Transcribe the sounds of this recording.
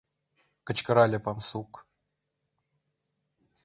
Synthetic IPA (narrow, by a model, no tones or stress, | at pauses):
kə̆t͡ɕkəɾalʲepamsuk